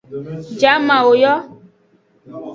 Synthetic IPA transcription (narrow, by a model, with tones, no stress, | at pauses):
d͡ʒa˨˦mã˨wo˨jɔ˦